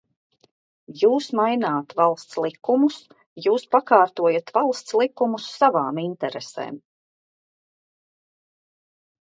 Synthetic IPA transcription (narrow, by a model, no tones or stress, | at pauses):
juːsmajnaːt̪valˠst̪slˠikumus | juːspakaːɾt̪uɔjat̪valˠst̪slˠikːumusːavaːmint̪ɛɾesḛːm